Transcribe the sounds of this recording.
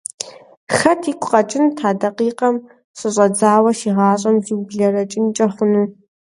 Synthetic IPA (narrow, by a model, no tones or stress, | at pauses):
xɐtʰiːkʷʰʼʊqʼɐt͡ʃʼɪntʰaːdɐqiːqɐm | ɕʼɨɕʼɐd͡zaːwɐʃiːʁɑːɕʼɐmziwbɮɐɾɐt͡ʃʼɪnt͡ʃʼɐχʷʊnuː